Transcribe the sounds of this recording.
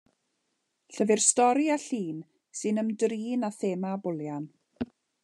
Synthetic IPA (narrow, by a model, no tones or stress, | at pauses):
ɬəvɪrstɔɾiaɬiːn | sɨnəmdriːnaθeːmabʊljan